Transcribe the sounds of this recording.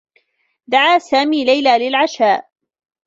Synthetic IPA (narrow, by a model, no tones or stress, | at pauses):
d̪aʕaːsaːmiːlajlaːlɪlʕaʃaːʔ